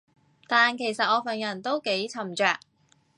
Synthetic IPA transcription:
t̪aː˨nkʰe˨˩jsɐ˨t̚ʔɔː˧fɐ˨njɐ˨˩nt̪o˥wke˨˥jt͡sʰɐ˨˩mt͡ʃœː˨k̚

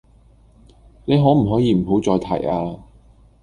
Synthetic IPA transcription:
ne˨˧jɦɔː˨˥m̩˨˩ɦɔː˨˥jiː˧m̩˨˩ɦo˨˥wt͡sɔː˧jt̪ʰɐ̰˨˩jaː˧

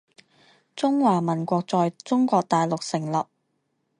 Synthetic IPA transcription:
t͡sʊ˥ŋwaː˨˩mɐ˨˩nkʷɔː˧k̚t͡sɔː˨jt͡sʊ˥ŋkʷɔː˧k̚t̪aː˨jlʊ˨k̚sɪ˨˩ŋlɐ˨p̚

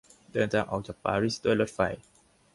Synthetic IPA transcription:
dɤː˧nt̪ʰaː˧ŋʔa˨˩w̚t͡ɕaː˨˩k̚pa̰ː˧ɾi˦˥˩sd̪u˥˩əjlo˦˥t̪̚fa˧˩j

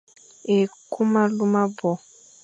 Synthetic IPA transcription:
e˨ku˦ma˦lu˦ma˦bɔ˨

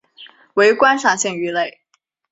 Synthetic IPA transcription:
we˧˥ɪkwa˥nʂɑ˥˩ŋɕi˥˩ŋy˧˥le˥˩ɪ

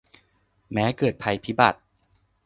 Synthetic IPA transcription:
mɛː˦˥kɤː˨˩t̪̚pʰa˧jpʰi˦˥ba̰˨˩t̪̚

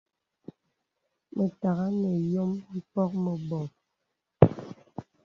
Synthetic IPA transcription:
mə˨ta˨ɣa˦nə˨jo˦mm̩˦pɔ˦k̚mə˨bɔ˨ŋ

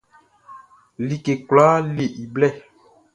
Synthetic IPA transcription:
li˨ke˨kwla˨˦le˨ʔi˨blɛ˦˨

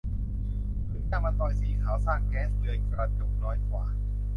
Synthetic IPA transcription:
pʰɯ˨˦˥t͡ɕ̪a˧˩ma˧nt̪ɔː˨˩jsiː˨˦kʰaː˨˩˦wsaː˥˩ŋkɛː˦˥nst͡ɕɤː˧jkɾa˧t͡ɕo˨˩nɔː˦˥jkwaː˨˩

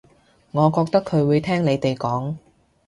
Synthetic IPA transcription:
ŋɔː˨˧kɔː˧k̚t̪ɐ˥kʰːɵ˨˧ɥwuː˨˧jt̪ʰɛː˥ŋle˨˧jt̪e˨jkɔː˨˥ŋ

